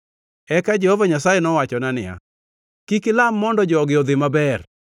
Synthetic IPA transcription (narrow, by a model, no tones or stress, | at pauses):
ɛkad͡ʒɛhovaɲasajɛnɔwat͡ʃɔnanɪja̰ | kikɪlamːɔndɔd͡ʒɔɔɡɪɔd̪ɪmabɛr